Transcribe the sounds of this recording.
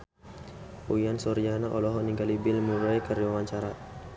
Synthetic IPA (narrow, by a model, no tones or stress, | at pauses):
ujansɔɾianaʔɔlɔɦɔniŋɡalibɪlmuɾajkərwawaɲt͡ʃaɾa